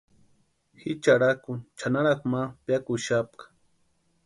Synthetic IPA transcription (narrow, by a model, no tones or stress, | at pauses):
hɪt͡ʃaɾakʊnt͡ʃanaɾakmapjakʊʃap̚kḁ